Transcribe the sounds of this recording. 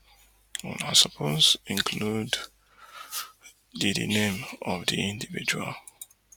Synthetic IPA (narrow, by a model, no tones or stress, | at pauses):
nasɔpʰɔsĩŋkʰlud | didḭnẽmɔvdiĩndivid͡ʒua̰l